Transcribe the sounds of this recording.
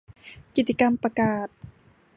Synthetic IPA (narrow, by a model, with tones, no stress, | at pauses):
ki˨˩t̪t͡ɕi˧ka˧mpɾa˧kaː˨˩t̪̚